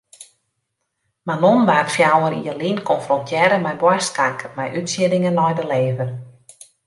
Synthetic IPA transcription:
manonbarkfjawəɾḭərlinkʰɔnfrɔntʰjɛɾəmɛjbwastkaŋkʰəmɛjʔytsjɪdɪŋənlɔjdəleːvər

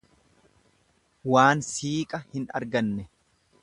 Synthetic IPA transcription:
waːnsiːkʼɐhɪnɐ̰ɾɡɐnːɛ

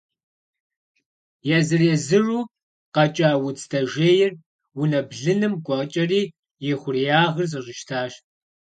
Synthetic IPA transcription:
jɛzɨrjɛzɨruː | qɐt͡ʃʼaːwʊt͡sʰtʰɐʒeːjɪr | wʊnɐbɮɨnɨmɡʷʼɔʁt͡ʃʼɐriː | jɪχʷʊrijaːʁrzɨʒɪʃtʰaːɕ

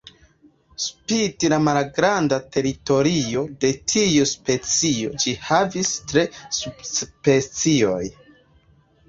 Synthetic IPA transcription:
spitilamalɡɾandatʰe̞ɾito̞ɾio̞de̞tʰijuspe̞t͡sio̞̰d͡ʒihavistɾe̞sub̥spe̞t͡sio̞j

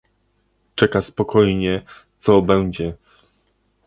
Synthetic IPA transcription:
t͡ʂɛkaspɔkʰɔjɲɛt̪sɔbɛwd͡ʑɛ

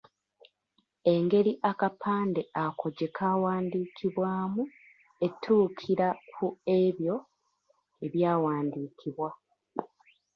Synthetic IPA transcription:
e̞ŋɡe̞ɾiʔakapʰaːnde̞akʰo̞ɟe̞kʰaːwaːndiːkʰiβwaːmu | e̞tʰːuːkʰiɾakʰue̞βjo̞ | e̞βjaːwaːndiːkʰiβwa

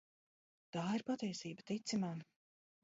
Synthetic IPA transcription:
t̪aːiɾpat̪ɛjsiːbət̪it̪simaː

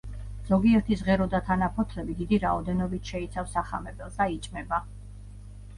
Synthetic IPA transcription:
z̥ɔɡiɛɾt̪ʰizʁɛɾɔd̪at̪ʰanapʰɔt̪ʰlɛbid̪id̪iɾaɔd̪ɛnɔbit̪ʰʃɛit̪sʰafsaχa̰mɛbɛlˠsd̪ait͡ʃʼmɛba

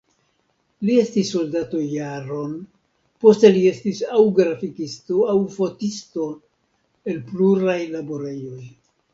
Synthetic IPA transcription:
lie̞stisːo̞ldato̞jaɾo̞n | po̞ste̞lie̞stisawɡɾafikisto̞awfo̞tisto̞ | e̞lpluɾajlaboɾe̞jo̞j

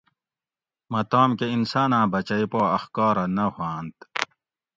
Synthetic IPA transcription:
mɐt̪aːmkeinsaːnãːbɐt͡ɕɐipaːɐxkaːɾɐnɐhãːnt̪

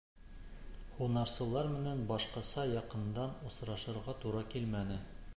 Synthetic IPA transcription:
χunɑɾsɤ̆lˠɑɾmɘ̆nænbɑʃqɑsɑjɑqɤ̆nd̪ɑnŏsɾɑʃɤ̆ɾʁɑt̪uɾɑkilmænɘ

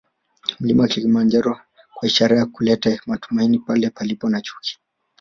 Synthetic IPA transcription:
m̩limawakilimand͡ʒaɾɔ | kwaiʃaɾajakulɛtamatu̥mainipalɛpalipɔnat͡ʃu̥ki̥

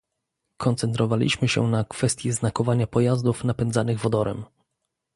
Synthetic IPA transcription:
kʰɔnt̪sɛnt̪ɾɔvalʲḭɕmɘɕɛ̰nakfɛst̪ʲjɛznakɔvaɲapɔjazd̪ufnapɛnd̪zanɘɣvɔd̪ɔɾɛ̰m

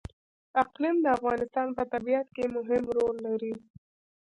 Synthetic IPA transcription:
aqlimd̪əafɣɑnɪst̪ɑnpət̪abijat̪̚kemʊɦɪmɾolːaɾi

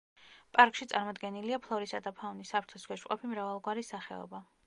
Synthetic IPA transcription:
pʼaɾkʼʃit̪sʼaɾmɔd̪ɡɛniliapʰlˠɔɾisad̪apʰaunisapʰɾt̪ʰɔskʰʷɛʃqʼɔpʰimɾavalˠɡwaɾisːaχɛ̰ɔ̰ba

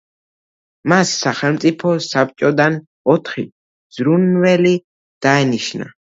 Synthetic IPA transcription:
masːaχɛlmt̪sʼipʰɔsap̚ʰʼt͡ʃʼɔd̪an | ɔt̪ʰχi | z̥ɾunvɛli | d̪̥aɛniʃna̰

